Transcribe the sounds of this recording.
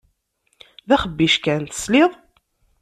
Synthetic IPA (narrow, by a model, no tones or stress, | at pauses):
ðæχəbːiʃkænt̪ə̥slɪðˤ